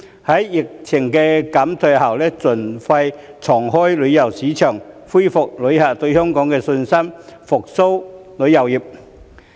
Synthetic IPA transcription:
hɐ˨˥jːɪ˨˩k̚t͡sʰɪ˨˩ŋkɛː˧kɐ˨˥mt̪ʰɵ˧haː˨˩wlɛː˥t͡sɵ˨˩nfɐ˧jt͡sʰɔː˨˩ŋɦɔː˥jlɵ˨˧ɥjɐ˨˩wsiː˨˥t͡ʃʰœː˨˩ŋfuː˥jfʊ˨k̚lɵ˨˧˥jhaː˨˩t̪ɵ˧ɥhœː˥ŋkɔː˨˥ŋkɛː˧sɵ˧nsɐ˥mfʊ˨k̚so˥wlɵ˨˥ɥjɐ˨˩wjiː˨˩p̚

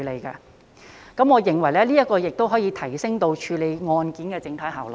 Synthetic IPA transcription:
le˨˧jka̰ː˧ | kɐ˨˥mɔː˨˧jɪ˨˩ŋwɐ˨˩jlɛː˥liː˥jɐ˥t̚kɔː˧jɪ˨k̚t̪o˥wɦɔː˨˥jiː˨˧t̪ʰɐ˨˩jsɪ˥ŋt̪o˧wt͡ʃʰyː˨˧le˨˧jŋɔː˧nkiː˨˥nkɛː˧t͡sɪ˨˧ŋt̪ʰɐ˨˥jɦaː˨˩wl

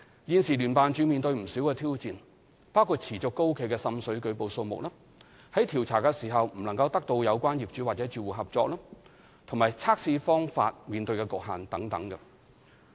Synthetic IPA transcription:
jiː˧nsiː˨lyː˨˩npaː˨nt͡ʃyː˨˧miː˨˧nt̪ɵ˧ɥm̩˨˩siː˨˥wkɛː˧t̪ʰiː˥wt͡siː˨n | paː˥wkʰu˧t̚t͡sʰiː˨˩t͡sʊ˨kːo˥wkʰe˨˧jkɛː˧sɐ˥msɵ˨˥ɥkɵ˨˧ɥpo˨˧wso˧wmʊ̰˨k̚laː˥ | hɐ˨˥jt̪ʰiː˨˩wt͡sʰaː˨˩kɛ˧siː˨˩ɦɐ˨wm̩˨˩lɐ˨˩ŋkɐ˧wt̪ɐ˥k̚t̪o˧wjɐ˨˧wkʷaː˥njiː˨p̚t͡ʃyː˨˥waː˨t̚t͡sɛː˨˥t͡ʃyː˨wuː˨˩ɦɐ˨p̚t͡sɔː˧k̚laː˥ | t̪ʰʊ˨˩maː˨jt͡sʰaː˥k̚siː˧fɔː˥ŋfa̰ː˧t̚miː˨nt̪ɵ˧ɥkɛ˧kʊ˨k̚ɦaː˨˩nt̪ɐ˨˥ŋt̪ɐ̰˨˥ŋkɐ˧

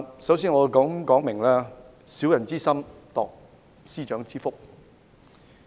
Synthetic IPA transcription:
sɐ˨˥wsiː˥nŋɔː˨˧kɔ˨˥ŋkɔː˨˥ŋmɪ˨˩ŋlɛː˥ | siː˨˥wjɐ˨˩nt͡siː˥sɐ˥mt̪ɔ̰ː˨k̚ | siː˥t͡ʃœː˨˥ŋt͡siː˥fʊ˥k̚

